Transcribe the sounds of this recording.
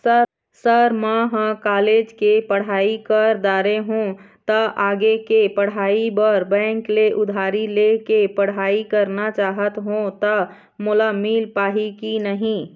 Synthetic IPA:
sə | səɾmãɦə̃kaːleːd͡ʒkepəɽ̤aːikəɾd̪aːɾeɦũ | t̪ɐʔaːɡekepəɽ̤aːibəɾbɛ̃ːŋkleʔʊd̪ʱaːɾilekepɐɽ̤aːikəɾnat͡ʃaːɦət̪ɦũt̪ə | mʊlamiːlpaːɦikinəɦĩː

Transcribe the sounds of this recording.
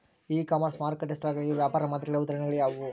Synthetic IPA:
iːkaːmɐɾsmaːɾkɐʈːest̪ɾaːɡɭɡeʋjaːpaːɾɐmaːd̪ɾɐɡɐɭɐud̪aːɾɐɳɛɡɐɭjaːʋu

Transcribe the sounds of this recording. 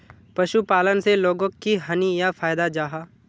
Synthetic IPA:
pɐʃupaːlənseloːɡõkːiɦɐnijafʰaːjd̪ad͡ʒaːɦaː

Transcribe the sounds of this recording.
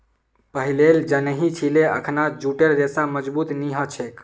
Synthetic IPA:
pəɦileld͡ʒənəɦit͡ʃʰileə̰kʰnad͡ʒuʈeɾɾesaməd͡ʒbut̪niɦət͡ʃʰek

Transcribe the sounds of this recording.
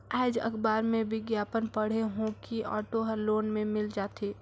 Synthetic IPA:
ɛːd͡ʒɐ̰kʰbaːɾmẽbɪɡjaːpənpəɽ̤eɦõkiɔ̰ːʈoɦəɾloːnmẽmɪld͡ʒaːt̪ʰeː

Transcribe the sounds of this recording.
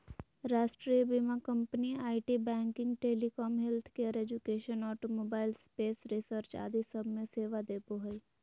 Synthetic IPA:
ɾaːʃʈɾiːbimakə̃mpəniaːiʈibɛ̃ːŋkɪ̃ŋɡʈeːlikɔːmɦɛlt̪ʰkeəɾeːd͡ʒukeːʃənɔːʈomoːbaːɪlspeːsɾɪsəɾt͡ʃa̰ːd̪isəbʱmẽseːʋad̪eːpoɦəi

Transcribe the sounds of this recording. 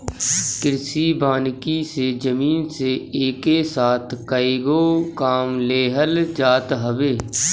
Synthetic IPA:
kɪɾsibaːnkised͡ʒəmiːnseeːkesaːt̪ʰkaiɡoːkaːmleːɦəld͡ʒaːt̪ɦəbeː

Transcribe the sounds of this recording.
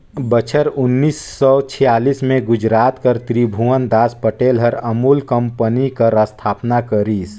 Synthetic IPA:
bət͡ʃʰəɾʊnːiːsːɔt͡ʃʰijaːlismẽɡʊd͡ʒɾaːt̪kəɾt̪ɾiːbʱuwənd̪aːspəʈeːlɦəɾəmuːlkə̃mpənikəɾəst̪ʰaːpnakəɾiːs

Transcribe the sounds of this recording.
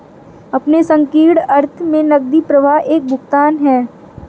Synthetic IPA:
ɐpnesɐ̃ŋkiːɽɐɾt̪ʰmẽnɐɡ̚d̪ipɾɐʋaɦeːk̚bʱʊɡt̪aːnɦɛː

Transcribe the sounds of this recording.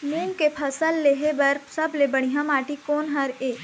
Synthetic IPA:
meːmkepʰɐsəlːeːɦebɐɾpsɐblebəɽ̃iɦãmaːʈikoːnɦɐɾeː

